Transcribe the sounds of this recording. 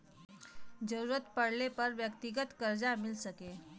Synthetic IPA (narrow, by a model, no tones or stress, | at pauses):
d͡ʑəɾuɾət̪pəɽlepəɾʋjəkt̪iɡət̪kəɾd͡zamilsəke